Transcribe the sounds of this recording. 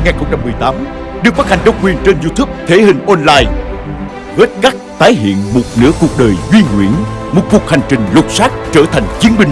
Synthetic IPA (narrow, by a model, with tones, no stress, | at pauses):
ŋaː˨˩nxə˧wŋ͡mt͡ɕa˧mːɨ˨˩əjt̪aː˨˦m | ɗɨ˨˩k̚faː˦˥ha˨˩ŋ̟ɗə˧wŋ͡mkwi˨˩ənt͡ɕe˧nzu˧t̪u˦˥p̚t̪ʰe˨˦hï˨˩ŋ̟ʔɔ˧nlaː˧j | ɣə˦˥t̚ka˦˥k̚t̪aː˨˦jɦḭ˧˨ənmo˨˩t̚nɨ̰˧˥əku˨˩ək̚ɗəː˨˩jzwi˧ŋwḭ˧˩ənmo˨˩t̚ku˨˩ək̚ha˨˩jŋ̟t͡ɕï˨˩ŋ̟lʊ˨˩k͡p̚saː˦˥t̚t͡ɕəː˧˩t̪ʰa˨˩jŋ̟t͡ɕi˨˦ənɓï˧ŋ̟